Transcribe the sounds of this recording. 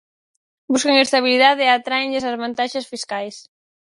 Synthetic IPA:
buskeŋest̪aβ̞iliðaðɪat̪ɾaeŋʎɪsazβant̪aʃasfiskajs

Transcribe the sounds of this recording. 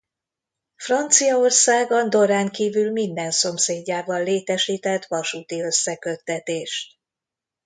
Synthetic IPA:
frɒnt̪sijɒo̞rsaːɡɒnd̪o̞ɾaːŋkiːvylmind̪ɛnso̞mseːɟːaːbɒlːeːt̪ɛʃiːt̪ɛt̪ːʋɒʃuːt̪iø̞sːɛkø̞t̪ːɛt̪eːʃt̪̚

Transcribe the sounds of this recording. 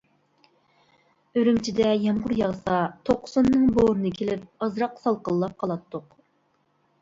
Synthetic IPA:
øɾymt͡ʃʰid̪ɛjɑmʁʊɾjɑʁsɑt̪ʰoqːsonːɨŋboːɾɨnɨkʲʰelɪp̚ɑzɾɑqsɑlˠqəlˠːɑp̚qʰɑlˠɑt̪ʰːʊq

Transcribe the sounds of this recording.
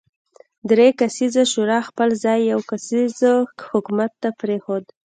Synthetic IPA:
d̪ɾekasizaʃuɾɑxpəlzɑjːawkasizhʊkumat̪ːapɾexod̪

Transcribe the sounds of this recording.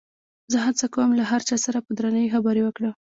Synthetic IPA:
zəɦat͡sakawəmlaɦaɾt͡ʃɑsaɾapəd̪ɾanəwixabɑɾiwəkɽə

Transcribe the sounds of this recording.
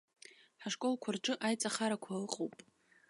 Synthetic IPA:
ħaʂkʼo̞lkʷʰarʈ͡ʂʼɨʔajt͡sʼaχaɾakʷʰalɨqʼowpʼ

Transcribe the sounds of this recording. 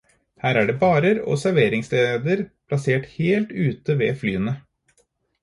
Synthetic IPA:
hæːɾæːɖeːbɑːɾəɾo̰ːsæɾʋeːɾɪŋsled̪əɾpʰlɑseːʈheːlt̪ʉːt̪əʋeːflyːənə

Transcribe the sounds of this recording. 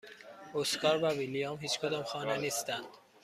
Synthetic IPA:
oskɒːɾvævilijɒmɦiːt͡ʃkʰod̪ɒːmxɒːneniːst̪ænd̪̥

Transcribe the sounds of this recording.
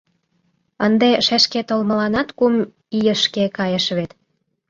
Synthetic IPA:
ənd̪eʃæʃket̪olmə̆lɑnɑt̪kum | ijə̆ʃkekɑjəʃβet̪

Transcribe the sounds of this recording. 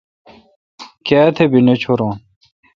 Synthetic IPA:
kaːt̪ʰebinet͡ɕʰoɾõːn

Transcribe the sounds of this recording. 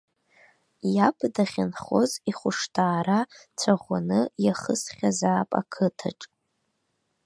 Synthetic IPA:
japʰdaχʲanχo̞̰ziχʷʊʂtʰaːɾat͡sʷʰaʁʷanɨjaχəsχʲazaːpʼa̰kʰɨtʰa̰ʈ͡ʂʼ

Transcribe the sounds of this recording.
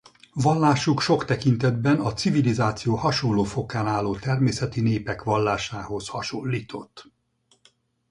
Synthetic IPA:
vɒlːaːʃukʃo̞kt̪ɛkint̪ɛd̪bɛnɒt̪sivilizaːt̪sijoːhɒʃollːoːfo̞kːaːnaːlːoːt̪ɛrmeːsɛt̪ineːpɛkʋɒlːaːʃaːho̞shɒʃo̞lːiːt̪ʰo̞t̪ː

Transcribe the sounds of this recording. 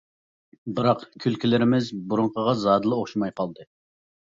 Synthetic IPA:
bɨɾɑqkʲʰylkʲilɪɾɪmɪzbuɾuɴqʰəʁɑzɑːd̪ɨlˠɨoχʃimɑjqʰɑlˠd̪ɨ

